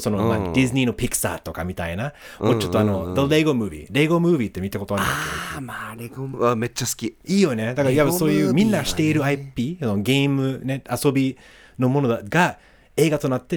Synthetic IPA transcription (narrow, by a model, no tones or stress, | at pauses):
so̞nomad̪̥izɨnʲino̞pʲiksa̰t̪o̞kamʲit̪ainamot͡ɕo̞t̪ːoano̞d̪oleɡo̞mɯːbʲḭɾe̞ɡo̞mɯ̟ːbʲit̪ːe̞mʲit̪ako̞t̪o̞aɾa̰keaemet͡ɕːasɨ̥kʲiiːjo̞ne̞d̪akaɾajaβaso̞ːjɯːmʲĩnːaɡaɕi̥t̪e̞iɾɯ̟aipʲiːsonoɡe̞imɯ̟ne̞aso̞bʲi | no̞mo̞no̞d̪ɡ̥a | e̞ːɡat̪o̞nat̪ːe̞